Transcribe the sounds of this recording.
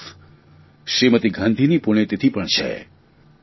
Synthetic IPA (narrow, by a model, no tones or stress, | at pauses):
ʃɾimət̪iɡʱãnd̪ʱinipuɽ̃et̪et̪ʰipəɳt͡ʃʰḛ